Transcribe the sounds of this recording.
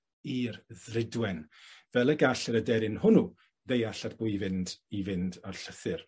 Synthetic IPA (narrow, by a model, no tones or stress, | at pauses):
irðrɪdwɛnvɛlˠəɡaɬɪɾədɛɾɪnhʊnu | ðejaɬadb̥ʊːivɪndivɪndarɬəθɨr